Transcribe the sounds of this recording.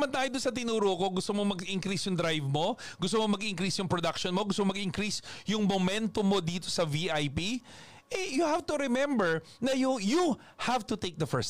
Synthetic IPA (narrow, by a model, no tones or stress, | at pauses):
mɐnt̪aːjod̪ʊnsɐt̪̬ɪnuːɾoːɐko̞ɡʊst̪omomɐɡʔɪŋkɾisjʊŋd̪ɾajvmo̞ | ɡʊst̪omomɐɡʔɪŋkɾisjʊŋpɾod̪ɐkʃonmo̞ɡʊst̪omomɐɡʔɪŋkɾisjʊŋmomɛnt̪omo̞d̪iːt̪o̞̥sɐviʔajpi | ʔɛjʊhavt̪ʊɾɛmɛ̃mbɛɹ | nɐjʊju | havt̪ʊt̪ek̚d̪ɐfɛ˞s